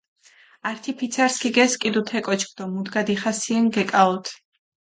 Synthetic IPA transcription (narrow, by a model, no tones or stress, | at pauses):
aɾt̪ʰipʰit̪sʰaɾskʰʼiɡɛskʼid̪ut̪ʰɛkʼɔt͡ʃʰkʰd̪ɔmud̪ɡad̪iχasiɛŋɡɛkʼaɔt̪ʰ